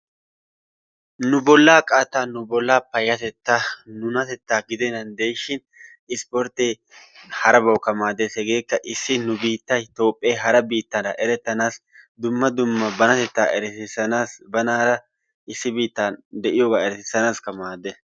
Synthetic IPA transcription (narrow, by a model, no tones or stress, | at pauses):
nʊbɔlːaːkʼaːt̪ːaːnʊbɔlːaːpɐjːɐt̪ɛt̪ːanʊnɐt̪ɛt̪ːaːɡɪd̪ɛnɐnd̪ejʃɪn | ɪspɔɾt̪ːeː | hɐɾɐbɐwkɐmaːd̪eːsɛɡe̞ːkːɐʔɪsːɪnʊbiːt̪ːɐt̪o̞ːpʼːeːɦɐɾɐbiːt̪ːɐɾɐʔɛɾɛt̪ːɐnaːs | d̪ʊmːɐd̪ʊmːɐbɐnɐt̪ɛt̪ːaːʔɛɾɛsɪsɐnasbɐnɐɾɐ | ɪsːɪbiːt̪ːaːnd̪ɛʔɪjoːɡaːɛɾɛsɪsɐnaːskɐmaːd̪ːɛ